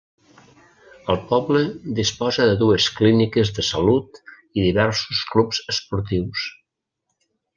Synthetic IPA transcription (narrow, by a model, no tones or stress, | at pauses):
əlˠpɔβləd̪ispɔzəðəðuəsklinikəzðəsəlut̪ | iðiβɛɾsusklupz̥əspuɾt̪iws